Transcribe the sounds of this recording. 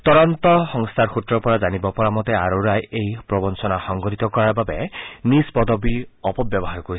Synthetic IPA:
t̪ɔɾɔnt̪ɔxɔŋst̪ʰaɾxʰut̪ɾɔpɔɾad͡ʒanibɔpɔɾamɔt̪eaɾoɾajejpɾɔbɔnsɔnaxɔŋɡɔɾit̪ɔkɔɾababenisbɔd̪ɔbiɔpɔbbjɔbɔɦaɾkoɾi

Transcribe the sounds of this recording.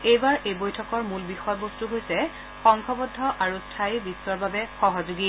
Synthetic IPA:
ejbaɹʔejbojtʰɔkɔɹmulbixɔjɔbostuɦojsɛ | xɔŋkʰɔbɔdʱːɔʔaɹustʰajibisːɔɹbabɛxɔɦɔzuɡi

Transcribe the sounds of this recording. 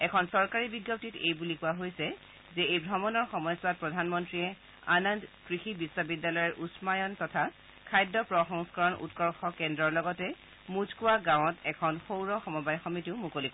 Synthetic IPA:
ɛkʰɔnsɔɹkaɹibiɡjɔp̚titejbulikʊwaɦojsɛ | zɛejbʱɹɔmɔnɔɹxɔmɔjsat̚pɹɔdʱanmɔntɹiɛ | a̰nɔndkɹixibisːwɔbidːalɔjɔɹʔusmajɔntɔtʰa | kʰajdːɔpɹɔxɔŋskɔɹɔnṵtkɔɹxɔkɛndɹɔɹlɔɡɔtɛ | muzkʊwaɡãw̃ɔtɛkʰɔnxowɹɔxɔmɔbajxɔmitiʊmukolik

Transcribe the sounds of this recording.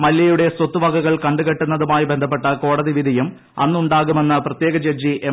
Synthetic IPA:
mɐljɐjuɽe̞swɐt̪ːuʋɐɡʱɐɣɐɭkɐɳɖuɣɐʈːunːɐðumaːjibe̞nd̪ʱɐp̬ːe̞ʈːɐko̞ːɽɐðiʋid̪ʱɐjum | ɐ̰nːuɳɖaːɣume̞nːɐprɐt̪je̞ːɡɐd͡ʑɐd͡ʑiʔe

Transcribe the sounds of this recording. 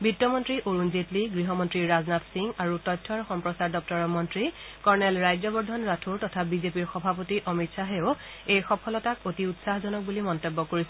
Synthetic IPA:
bitːɔmɔntɹiʔoɹunzetliɡɹiɦɔmɔntɹiɹɹaznatsiŋɡaɹutɔjtʰːɔɹxɔmpɹɔsaɹdɔp̚tɔɹɔmɔntɹikɔɹnɛlɹajzɔbɔɹdʱɔnɹatʰuɹtɔtʰabizepiɹxɔbʱapotiʔɔmitsaɦeo | ejxɔpʰɔlɔtakotiutsaɦzɔnɔk̚bulimɔntebːɔkoɹisɛ

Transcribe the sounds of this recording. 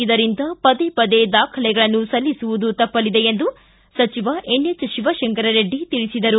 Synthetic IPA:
id̪ɐɾind̪ɐpɐd̪epɐd̪e̞d̪aːkʰɐlɛɡɐɭɐnːusɐlːisuʋud̪ut̪ɐpːɐlid̪e̞end̪u | sɐt͡ʃiʋɐʔenjet͡ʃɐʃiʋɐʃeŋkɐɾɐɾeɖːit̪iɭisid̪ɐɾu

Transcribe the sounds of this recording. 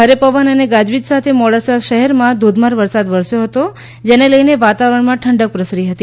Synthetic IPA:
ɦəɾepəʋənəneɡad͡ʒʋit̪sat̪ʰemɔɽasaʃəɦɛɾmãd̪ʱod̪maɾʋəɾsad̪ʋəɾsjoɦət̪o | d͡ʒeneləjneʋat̪aʋəɾəɳmãʈʰəɳɖək̚pɾəsɾiɦət̪i

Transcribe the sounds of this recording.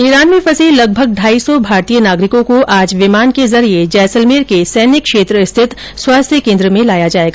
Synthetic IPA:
iːɾaːnmẽfɐsiːllɐɡ̚bʱəɡ̚ɖʱaːisɔbʱaːɾt̪ijənaːɡɾɪkõkoʔaːd͡ʒʋɪmaːnkezɐɾied͡ʒɛːsəlmeːɾkesɛːnɪkːʃeːt̪ɾəɪst̪ʰɪt̪ | swaːst̪ʰjəkẽːnd̪ɾəmẽlaːjad͡ʒaːeːɡaː

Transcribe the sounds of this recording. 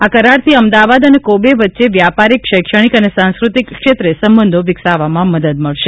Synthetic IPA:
akəɾaɾt̪ʰiəmd̪aʋad̪ənekobeʋətːʃeʋjapaɾikʃəjkʃəɽ̃ikənesãnskɾut̪ikʃet̪ɾesəmbənd̪ʱoʋɪksaʋamãməd̪əd̪̚məɭʃe

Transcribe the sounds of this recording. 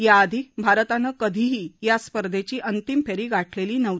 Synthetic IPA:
jaːd̪ʱibʱaɾt̪anəkəd̪ʱiɦiːjaspəɾd̪ʱet͡ɕiːʔənt̪impeɾiːɡaʈʰleliːnəʋ

